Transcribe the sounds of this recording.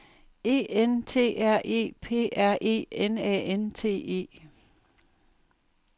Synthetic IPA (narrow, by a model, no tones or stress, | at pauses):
e̝̰ːent͡sʰe̝̰ːæɐ̰ʔe̝̰ːpʰe̝̰ːʔæɐ̰ʔe̝̰ːenɛ̰ːent͡sʰe̝̰ːe̝̰ː